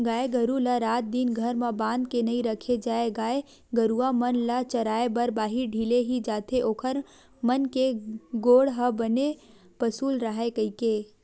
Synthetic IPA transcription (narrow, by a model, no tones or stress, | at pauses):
ɡaːeɡəɾulaɾaːt̪̚d̪ɪnɡʱəɾmabãːnd̪̚kenɐɦĩɾəkʰed͡ʒaːeɡaːe | ɡəɾuamənlat͡ʃɐɾaːebəɾbaːɦiɖʱileɦid͡ʒaːt̪ʰeʔoːkʰəɾ | mənkeɡoːɽɦəbəne | pəsuːlɾəɦekəikeː